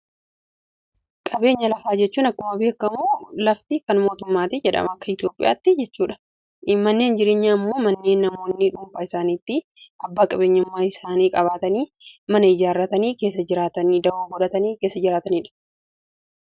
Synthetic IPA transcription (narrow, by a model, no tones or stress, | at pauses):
kʼɐbe̞ːɲːɐlɐfaːd͡ʒɛt͡ʃːuːnɐkːʊmɐbe̞ːkːɐmulɐft̪ɪkɐnmo̞ːt̪ʊmːaːt̪ɪd͡ʒɛᶑɐ̰mɐkːɐɪt̪jo̞ːpʼɪja̰ːt̪ːɪd͡ʒɛt͡ʃːuːᶑɐ̥ | mːɐnːe̞ːnd͡ʒɪɾe̞ːɲːaːɪmːo̞ːmɐnːe̞ːnːɐmo̞ːnːɪᶑʊmfɐɪsaːniːt̪ːɪ | ʔɐbːaːkʼɐbeːɲːʊmːaːɪsaːniːkʼɐβaːt̪ɐniː | mɐnɐɪd͡ʒaːrːɐt̪ɐniːke̞ːs̬ːɐd͡ʒɪɾaːt̪ɐniːd̪ɐoːɡɔᶑɐt̪ɐniːke̞ːsːɐd͡ʒɪɾaːt̪ɐniːᶑɐ̥